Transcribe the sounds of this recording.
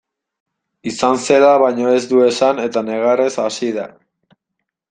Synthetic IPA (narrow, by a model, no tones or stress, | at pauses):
isanse̞laβajɲoe̞zd̪ue̞sane̞t̪ane̞ɣ̞aresasiða